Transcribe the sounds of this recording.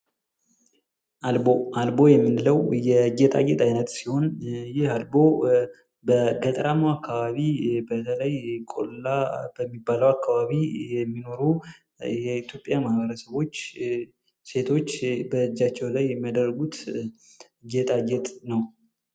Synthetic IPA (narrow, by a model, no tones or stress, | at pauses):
ʔalbo̞albo̞jɛmːɨnləwjɛd͡ʒɛt̪ʼa̰ɡɛt̪ʰʼajnət̪siho̞njɪhalbo̞ | bəɡət̪ʼəɾamoakːaβaβibət̪ʰələjkʼo̞̰llab̥əmːibːaləwakʰːaβaβijɛmːino̞ɾu | jɛit̪ʰjo̞pʼjamahbəɾəsəβo̞t͡ʃː | se̞t̪ʰo̞t͡ʃːbəɨd͡ʒːat͡ʃːɛwlajːɛmiad̪ərːəɡut̪ | d͡ʒɛt̪ʼad͡ʒɛt̪ʼnəw